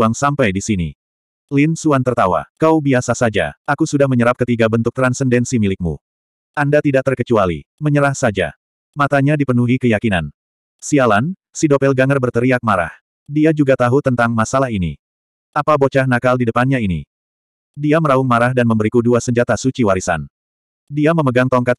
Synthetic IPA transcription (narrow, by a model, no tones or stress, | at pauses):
aŋsampajdisinḭ | lɪnsuant̪ərt̪awa̰kawbiasasad͡ʒa̰ʔakusudahməɲəɾap̚kət̪iɡabənt̪ʊk̚t̪ɾansəndɛnsimilɪk̚mṵ | ʔandat̪idaʔ̚t̪ərkət͡ʃualḭməɲəɾahsad͡ʒa̰ | mat̪aɲadipənuɦikəjakinan | sialan | sidopɛlɡaŋərbərt̪əɾiak̚maɾa̰h | diad͡ʒuɡat̪aɦut̪ənt̪aŋmasalaɦinḭ | ʔapabot͡ʃahnakaldidəpanɲainḭ | diaməɾauŋmaɾahdanməmbəɾikuduasəɲd͡ʒat̪asut͡ʃiwaɾisa̰n | diaməməɡaŋt̪ɔŋkat̪̚